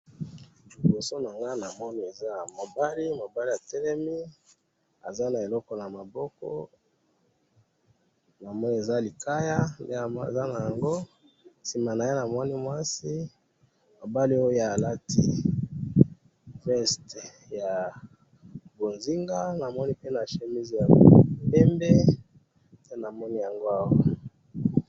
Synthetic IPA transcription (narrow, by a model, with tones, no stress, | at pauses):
li˨bo˨so˦na˨ŋɡa˦na˨mɔ˦ni˦e˨za˦mo˨ba˦li˦mo˨ba˦li˦a˨tɛ˦lɛ˦mi˦ | a̰˨za˦na˨e˨lɔ˦kɔ˨na˨ma˨bɔ˦kɔ̰˦ | na˨mɔ˦ni˦e˨za˦li˨ka˦ja˦ndḛ˦˨za˦na˨ja˨ŋɡo˦ | si˨ma˨na˨je˦na˨mɔ˦ni˦mwa˦si˦ | mo˨ba˦li˦o˦ja˨la˦ti˦ | fɛ˦st | ja˨ | bo˨nzi˦ŋɡa˦na˨mɔ˦ni˦pe˦na˨ʃe˨mi˦zi˨ja˨pɛ˦mbe˦ | nde˦na˨mɔ˦ni˦ja˨ŋɡo˦a˦wa˦